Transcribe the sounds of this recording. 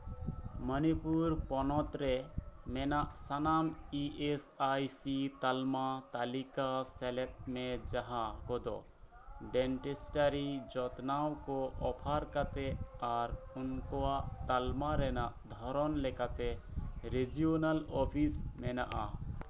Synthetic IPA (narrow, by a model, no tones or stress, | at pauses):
mənipuɾpɔnɔt̪ɾɛmɛnaʔsanamiʔesajsit̪almat̪alikasɛlɛt̪̚mɛd͡ʒaɦaɡɔd̪ɔ̰ | ɖɛɳʈesʈaɾid͡ʒɔt̪nawkɔʔɔpʰaɾkat̪ɛaɾunkɔwaʔt̪almaɾɛnaʔd̪ʱɔɾɔnlɛkat̪ɛɾed͡ʒionalɔpʰismɛna̰ʔa̰